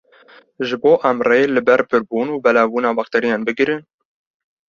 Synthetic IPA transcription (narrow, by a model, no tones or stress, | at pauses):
ʒɨboːʔæmreelɨbɛɾpʰɨɾbuːnuːbɛlɑːbuːnɑːbɑxt̪ɛɾijɑːnbɨɡɾɨn